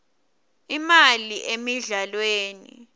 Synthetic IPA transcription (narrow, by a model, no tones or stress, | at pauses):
imaliʔemiɮalweːnḭ